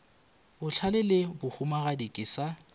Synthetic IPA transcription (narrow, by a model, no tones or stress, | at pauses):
bʊt͡ɬʰalɪlɪbʊhʊmaɣadikʼɪsa